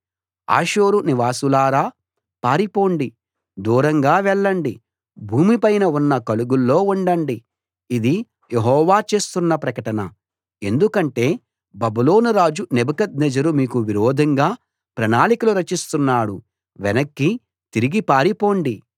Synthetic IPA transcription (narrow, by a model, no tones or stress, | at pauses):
a̰ːʃoːɾuniʋaːsulaːɾaː | paːɾipo̞ːɳɖi | d̪uːɾɐŋɡaːʋɛɭːɐɳɖi | bʱuːmipɐjnɐunːɐkɐluɡulːo̞ːuɳɖɐɳɖiː | d̪i | jeɦɔːʋaːt͡ʃe̞ːst̪unːɐpɾɐkɐʈɐnɐ̰ | e̞nd̪ukɐɳʈe̞ː | bɐbulo̞ːnuɾaːd͡ʒunɛbɐkɐd̪nɛd͡ʒɐɾumiːkuʋiɾɔːd̪ʱɐŋɡaː | pɾɐnaːlikɐluɾɐt͡ʃist̪unːaːɽu | ʋɛnɐkːi | t̪iɾiɡipaːɾipo̞ːɳɖi